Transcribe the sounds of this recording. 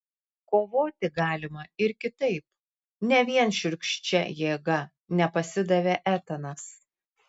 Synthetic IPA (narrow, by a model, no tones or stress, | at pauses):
koːʋoːt̪ʲɪɡɑːlʲɪmɐɪɾkʲɪt̪ɐɪp̚ | nʲɛʋʲiɛnʃʲʊɾʲkʃʲt͡ʃʲɛ̰jeːɡɐ | nʲɛpɐsʲɪd̪ɐʋʲeʔæːt̪ɐnɐs